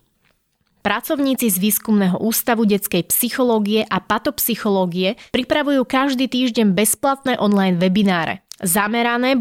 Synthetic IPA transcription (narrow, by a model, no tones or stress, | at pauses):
pɾat͡sɔʊɲiːt͡sizʋiːskumnɛɦɔ̰ʔuːst̪aʋuɟɛt͡skɛjpsixɔlɔːɡiɛʔapat̪ɔpsixɔlɔːɡiɛpɾipɾaʋujuːkaʒd̪iːt̪iːʒɟɛɲbɛsplat̪̚nɛːʔɔnlajnʋɛbinaːɾɛ̰zamɛɾanɛː